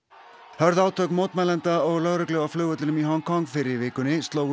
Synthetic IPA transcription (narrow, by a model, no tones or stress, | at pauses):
hœɾðaːwt̪ʰœkmoːwt̪mɛjlɛnt̪aɔɣlœɣɾœklœːɣaflœːɣœt̪ɪnʏmiɦɔŋkʰɔŋkfɪɾɪɾvɪːkʏnːɪst̪loːwɣ